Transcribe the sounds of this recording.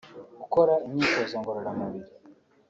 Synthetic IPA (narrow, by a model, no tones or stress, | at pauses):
ɡukoɾaiɲɲiːkozoːŋɡoɾoɾamuβiɾi